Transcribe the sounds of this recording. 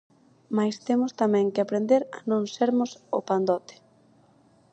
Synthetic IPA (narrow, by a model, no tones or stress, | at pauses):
majst̪emʊst̪amɛ̃ŋkeapɾend̪eɾa̰nõŋseɾmʊso̰pand̪ɔt̪ɪ̥